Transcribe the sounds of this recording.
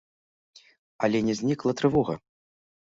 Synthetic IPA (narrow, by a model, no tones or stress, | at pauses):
ɐlʲɛnʲɛzʲnʲiklˠɐt̪ɾɨvɔɣɐ̰